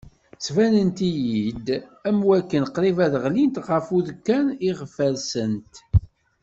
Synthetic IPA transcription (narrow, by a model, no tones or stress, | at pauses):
svænənt̪ijid̪æmwækːənqɾivæðəʁlint̪ʁəfuðkːæniʁəfəɾsənt̪